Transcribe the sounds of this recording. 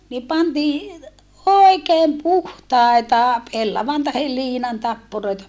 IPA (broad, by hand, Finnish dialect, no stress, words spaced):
ni pɑntiː oˑikeːm puhtɑˑetɑ pelːɑʋɑn tɑhel liːnɑn tɑpːuroitɑ